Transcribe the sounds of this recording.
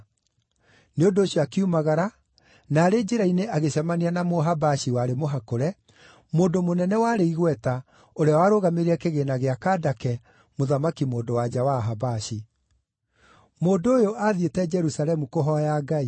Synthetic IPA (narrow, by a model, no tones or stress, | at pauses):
neondoːɕjɔakiumaɣaɾa | naːɾeːd͡ʒeɾaineʔaɣeɕamanianamoɦabaɕiwaɾemoɦakoɾɛ | moːndomonɛnɛwaɾeiɣwɛta | oɾeawaːɾoɣameɾeɛkeɣenaɣeakadakɛ | moðamakimoːndowad͡ʑawaɦabaɕi | moːndooːjoʔaðietɛd͡ʒɛɾusalɛmukoɦɔjaːɡai